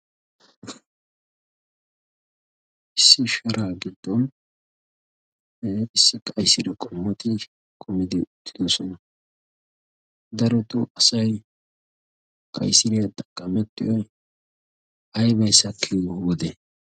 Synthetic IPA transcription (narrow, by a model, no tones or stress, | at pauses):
ʔɪsːɪʃɐɾaːɡɪd̪ːɔn | ɪsːɪkʼɐjsɪɾɛkʼɔmːɔt̪ɪ | kʰʼʊmɪd̪ɪʊt̪ʰːɪ̥d̪ɔsɔnɐ | d̪ɐɾɔt̪ʊʔɐsɐj | kʼɐ̰jsɪɾɛɐt̪ʼɐ̥kʼːɐmɛt̪ːɪʔɔj | ɐjbɐjsɐkʰːijwɔd̪ɛ